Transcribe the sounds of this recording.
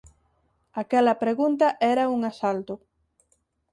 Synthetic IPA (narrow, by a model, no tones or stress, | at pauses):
akɛlɐpɾeɣunt̪ɐʔɛɾɐuŋasalt̪ʊ